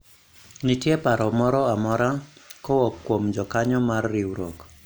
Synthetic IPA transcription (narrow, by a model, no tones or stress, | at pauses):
nitjɛpaɾɔmɔɾɔamɔɾakɔwɔkːwomd͡ʒɔkaɲɔmarːɪwɾok